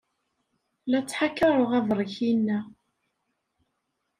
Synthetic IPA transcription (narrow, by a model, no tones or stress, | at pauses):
læt͡sːħakːɑɾˤoʁɑvˤɾˤçinːæ